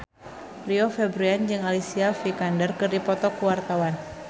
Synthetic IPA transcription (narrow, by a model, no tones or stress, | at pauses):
riofɛbɾuand͡ʒɨŋalisiafikandərkɨrdipɔt̪ɔkuwart̪awan